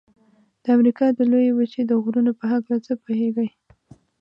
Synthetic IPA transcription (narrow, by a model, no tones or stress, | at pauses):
d̪̥əamɾikɑd̪əlojebət͡ʃed̪əɣɾunopəɦaklat͡səpoheɡəj